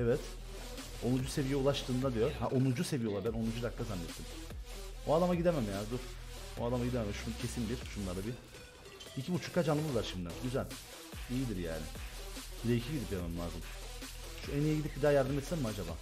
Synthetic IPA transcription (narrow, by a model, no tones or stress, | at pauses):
ɛvɛt̪ | onud͡ʒuse̞vijɛulˠaʃt̪ʰɯːnd̪ad̪ijo̞haʔonud͡ʒuse̞vijolˠaɾbæno̞nud͡ʒud̪aklˠazanːɛt̪ʰːim | oad̪amaɟid̪emæmjaːnd̪uɾoad̪amaɟid̪ememɛʃucʰe̞sind̪iɾʃunlˠaɾd̪abi | icʰibut͡ʃʰu̥kʰːad͡ʒanɯmɯzlaɾʃimd̪ɛɟyzælʲ | ijid̪iɾja̰ːnɪ̰biɾecʰiɟid̪ipjamaɯmlˠa̰ːzɯm | ʃuenijɛɟid̪ip̚bid̪aːjaɾd̪ɯmɛt̪sɛmmuad͡ʒaba̰ː